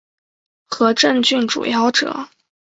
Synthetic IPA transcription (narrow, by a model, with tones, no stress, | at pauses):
xɤ˧˥ʈ͡ʂə˥˧ŋt͡ɕy˥˩nʈ͡ʂṵ˨˩jɑ˥˩ʊʈ͡ʂɤ̰˨˩˦